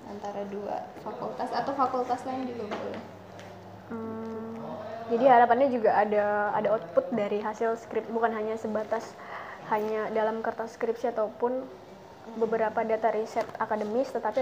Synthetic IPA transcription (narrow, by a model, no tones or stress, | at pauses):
ʔant̪aɾadua̰fakult̪asat̪awfakult̪aslaɲdikukuʊ̰lɛh | m̩ | d͡ʒadiɦaɾapanɲad͡ʒuɡaʔːda̰ːdaɔt̪̚pʊt̪̚daɾiɦasɪlskɾɪp̚bukanɦaɲasəbat̪as | haɲadalamkərt̪askɾɪpsiat̪awpʊn | bəbəɾapadat̪aɾisɛt̪akadəmɪst̪ət̪api